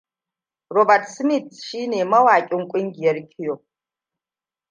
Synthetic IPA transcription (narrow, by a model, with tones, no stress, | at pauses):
robɐrtʰsmitʃiː˦neː˨mɐ˦waː˨kʲʼɪŋkʷʼɪ˦ŋɡʲjɛɾkʲʰi˦jo˨